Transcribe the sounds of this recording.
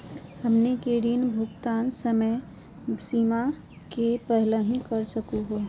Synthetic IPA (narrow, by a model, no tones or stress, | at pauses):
həmnekeɖinbʱukt̪aːnsəmə | siːma | kepəɦləɦĩkəɾsəkuɦo